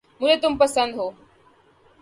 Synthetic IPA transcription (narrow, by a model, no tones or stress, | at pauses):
mʊnet̪ʊmpəsə̃nd̪ɦoː